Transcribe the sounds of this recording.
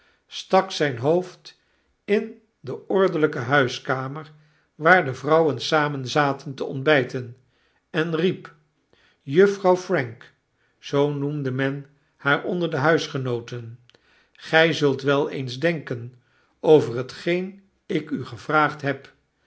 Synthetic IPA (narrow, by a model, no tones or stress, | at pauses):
stɑksɛjnɦowft | ɪn | dəɔɹdələkəɦœɥskaːməɹ | ʋaːɹdəvrʌwənsaːmənzaːtəntəɔnd̚bɛjtən | ɛnrip | jɵfrɑwfrɛŋk | z̥ownumdəmɛn | haːɹɔ̰ndəɹdəɦœɥsχənowtən | χɛjzɵlˠtʋɛlˠḛjnzdɛŋkən | owvərɦətχejn | ɪkyχəvraːχtɦɛp